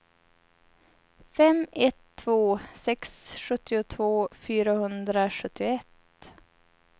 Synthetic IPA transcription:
fɛmɛt̪ʰːvoːsɛksɧɵt̪ːɪʊt̪ʰvoːfyːɾahɵnd̪ɾaɧɵt̪ːɪʊɛt̪

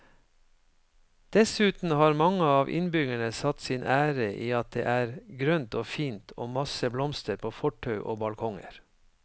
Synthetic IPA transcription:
d̪̥ɛsʉːt̪n̩hɑːɾmɑŋəɑːʋʔɪ̰nbʏɡæɳəsɑt̪siːnʔæːɾəʔiːɑt̪̚d̪ḛːʔæːɾɡɾœnt̪oːfiːnt̪ʰo̰ːmɑsəblɔmst̪əɾpʰoːfɔʈʰœʉʔo̰ːbɑlkʰɔŋə̰ɾ

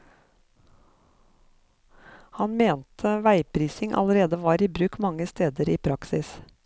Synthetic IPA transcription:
hɑnmeːnt̪ʰəʋæɪpʰɾiːsɪŋʔɑ̰ləɾeːd̪əʋɑːɾiːbɾʉːkmɑŋəst̪eːd̪əɾiːpʰɾɑksɪs

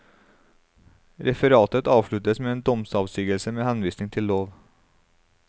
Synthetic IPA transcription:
ɾʔɛfəɾɑːt̪ət̪ɑːʋʂɭʉt̪əsmeːeːnd̪ɔmsɑːʋst̪yːɡəlsəmeːhɑnʋiːsnɪŋt̪ʰɪlːoːʋ

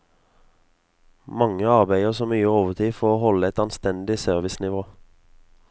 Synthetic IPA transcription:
mɑŋəɑʁbæɪəʁsoːmyːəoːʋəʁt̪ʰiːfoːʁoːhɔləɛt̪ɑnst̪ɛnd̪ɪsøːʁʋɪsnɪʋoː

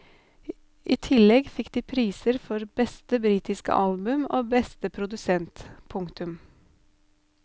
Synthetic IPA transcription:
ʔiːt̪ʰɪlɛɡfɪkd̪iːpʰɾiːsəɾfɔɾbɛst̪əbɾiːt̪ɪskə̰ʔɑlbʉmo̰ːbɛst̪əpʰɾʊd̪ʉsɛnt̪pʰʊŋt̪ʉm

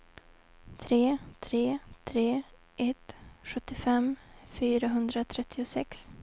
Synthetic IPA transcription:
t̪ʰɾeːt̪ʰɾeːt̪ʰɾeː | ʔɛt̪ɧɵt̪ːɪfɛmfyːɾaɦɵnd̪ɾat̪ʰɾɛt̪ʰːɪʊsɛks

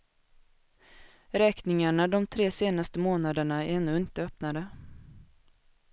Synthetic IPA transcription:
ɾɛːknɪŋaɳad̪ɔmt̪ʰɾeːseːnast̪əmoːnad̪əɳaɛnːɵɪnt̪əœpnad̪ə

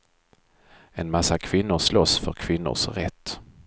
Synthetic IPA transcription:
ɛnmasːakʰvɪnːʊɾʂlɔsfœɾkʰvɪnːʊ̰ʂɾɛt̪ː

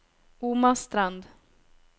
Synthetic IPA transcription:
umast̪ɾand̪

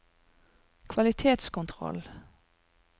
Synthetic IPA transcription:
kʰʋɑlɪt̪ʰeːt̪skʊnt̪ʰʁɔ̰l

